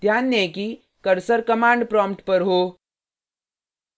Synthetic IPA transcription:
d̪ʱjaːnːẽki | kəɾsəɾkəmaːɳɖpɾɔ̃ːmpʈpəɾɦo

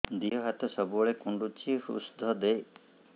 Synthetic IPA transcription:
d̪iɔɦat̪ɔsɔbuɔɭekuɳɖut͡ʃihṵsd̪ʱɔd̪e

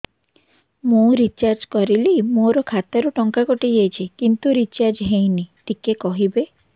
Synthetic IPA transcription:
mũɾit͡ʃaɾd͡ʒkɔɾilimoɾɔkʰat̪aɾuʈɔŋkakɔʈijet͡ʃʰikint̪uɾit͡ʃaɾd͡ʒɦejnit̪ikekɔɦibe

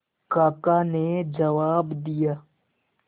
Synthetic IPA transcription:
kaːkaned͡ʒɐʋaːbd̪ijaː

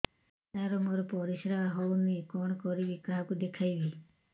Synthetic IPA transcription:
t̪aɾɔmoɾɔpɔɾisɾɔɦaɦɔwnikɔɳ̃ɔkɔɾibikaɦakud̪ekʰajbʱi

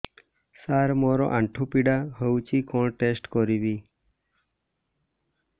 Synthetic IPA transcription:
saɾmɔɾɔʔaɳʈʰupiɖaɦəwt͡ʃikɔɳʈesʈkɔɾibi

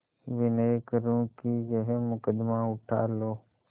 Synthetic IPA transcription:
ʋɪnəkəɾũːkid͡ʒəɦemʊkəd̪maːʊʈʰa̰ːloː

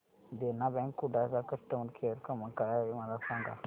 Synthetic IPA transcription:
d̪enabɛ̃ŋkːuɖasakəsʈəmnkʰeɾkəməkajaiməlasãŋɡa̰

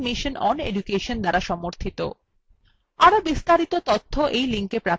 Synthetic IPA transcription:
miʃonɔ̰nḛɖukeʃond̪aɾaʃɔmoɾt̪ʰit̪o̰ | aɾobist̪aɾit̪ot̪ot̪ʰːoʔejliŋkepɾa

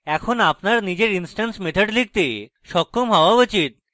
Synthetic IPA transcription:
ɛkʰuːnapnaɾnid͡ʑeɾinsʈənsmet̪ʰəɽliɡ̚t̪e | ɕɔkʰːomɦɔʋaʋət͡ɕit̪̚

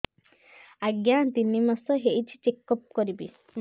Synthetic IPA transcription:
aɡjant̪inimasɔɦejt͡ʃʰi̥t͡ʃekːɔp̚kɔɾibḭ

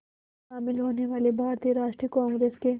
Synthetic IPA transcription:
aːmɪlɦoːneʋaːlebʱaːɾt̪ijeɾaːʃʈɾijəkãːŋɡɾeːske

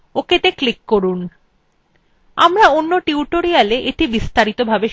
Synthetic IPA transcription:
oket̪eklikːoɾun | a̰mɾaonːoʈiuʈoɾialeʔeʈibist̪aɾit̪obʱabeʃ

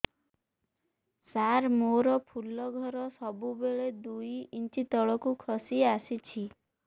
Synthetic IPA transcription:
saɾmoɾɔpʰulɔɡʱɔɾɔsɔbubeɭed̪ujint͡ʃit̪ɔɭɔkukʰɔsiasit͡ʃʰi

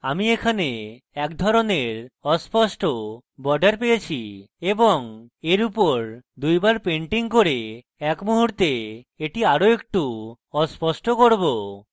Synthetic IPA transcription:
amiekʰane | ɛkd̪ʱɔɾoneɾɔspɔsʈobɔɖʱaɾpejet͡ɕʰi | eboŋeɾupoɾd̪ujbaɾpeɳʈiŋkoɾe | ɛkmuɦuɾt̪eeʈiaɾoekʈu | ɔspɔsʈokoɾbo

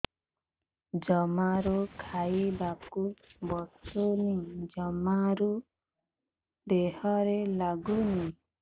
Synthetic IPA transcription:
d͡ʒɔmaɾukʰaibakubɔt̪unid͡ʒɔmaɾu | d̪ehɔɾelaɡuni

